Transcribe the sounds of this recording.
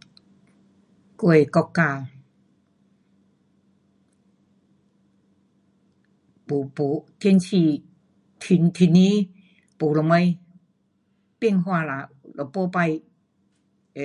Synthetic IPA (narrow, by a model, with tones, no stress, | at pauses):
ku˧ə˨kɔ˧kːaː˧ | pu˨po˨t̪ʰi˧˥˧nsʰi˧ | t̪ʰi˧nt̪ʰi˧ni˧˦ | po˨lɔ˨ma˧˦j | pi˥˧˨ŋɦwa˧˨la˨ | lɔ˨po˧pa˧j